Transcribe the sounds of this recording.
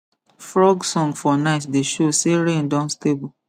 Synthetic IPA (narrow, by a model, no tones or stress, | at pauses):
fɹɔɡsɔ̃ŋɡfɔnaɪtdeʃoseɾẽndɔ̃nstebu